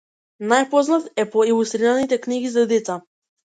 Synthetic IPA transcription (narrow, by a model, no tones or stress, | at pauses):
najpɔznat̪ɛpɔilˠust̪ɾiɾanit̪ɛkniɡizad̪ɛt̪sa